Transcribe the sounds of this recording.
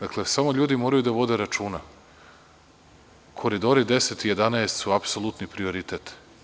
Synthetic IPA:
d̪aklesamo̞ʎuːd̪imoːɾajud̪aʋo̞d̪e̞ɾat͡ʃuːna | kʰo̞ɾid̪oɾid̪eset̪ije̞d̪anaest̪suapsolˠut̪nipɾio̞ɾit̪et̪

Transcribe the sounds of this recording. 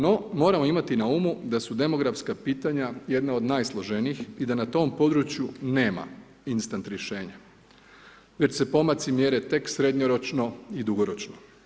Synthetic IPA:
no̞mo̞ːɾamo̞imat̪inaumud̪asud̪e̞mo̞ɡɾafskapiːt̪aɲaje̞d̪nao̞d̪najslˠoʒeniixid̪anat̪o̞ːmpo̞d̪ɾut͡ɕjune̞ːma̰ | inst̪ant̪ɾje̞ʃe̞ːɲa | ʋe̞t͡ɕsepo̞mat̪simjeɾet̪e̞ksɾe̞d̪ɲoɾo̞t͡ʃno̞id̪uɡoɾo̞t͡ʃno

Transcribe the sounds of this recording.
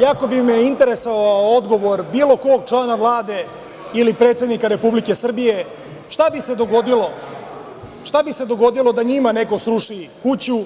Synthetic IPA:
jako̞bimeint̪e̞ɾesoʋaood̪ɡo̞ʋo̞ɾbiːlˠo̞ko̞ːɡ̚t͡ʃlanaʋlˠaːd̪e̞ | ilipɾet̪sed̪nikaɾe̞publike̞sr̩bije̞ | ʃt̪abise̞d̪o̞ɡo̞d̪ilo̞ | ʃt̪abise̞d̪o̞ɡo̞d̪ilo̞d̪aɲimane̞ko̞sɾuʂikut͡ɕu

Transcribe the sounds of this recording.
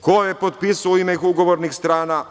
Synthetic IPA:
kojepot̪̚pisuoimexuɡo̞ʋoɾnixst̪ɾaːna

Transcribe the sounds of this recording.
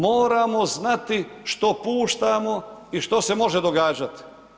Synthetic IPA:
moːɾamo̞znat̪iʃt̪o̞puːʃt̪amo̞iʃt̪o̞se̞mo̞ʒed̪oɡaːd͡ʒat̪i̥

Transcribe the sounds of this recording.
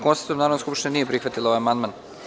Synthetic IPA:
konse̥t̪omnaːɾavnoskupʂt̪neniːjepɾixʋat̪ilaoʋajamand̪man

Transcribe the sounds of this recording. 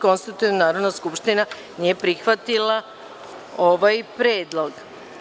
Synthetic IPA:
ko̞nst̪it̪ut̪ivnunaːɾo̞d̪naskupʃt̪ina | niepɾixʋat̪ila | o̞ʋajpɾeːd̪lˠoɡ

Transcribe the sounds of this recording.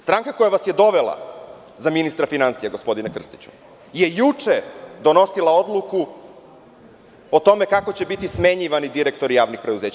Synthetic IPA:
st̪ɾaŋkako̞jaʋasjed̪o̞ʋelˠa̰ | zaminist̪ɾafinansijaɡo̞spo̞d̪inekr̩st̪i̥t͡ɕu̥̰ | je̞jut͡ʂed̪o̞no̞silˠao̞d̪lˠuku | ot̪o̞me̞kako̞t͡ɕebit̪isme̞ɲiʋanid̪iɾek̚t̪o̞ɾijaːʋnixpɾe̞d̪uze̞ːt͡ɕ

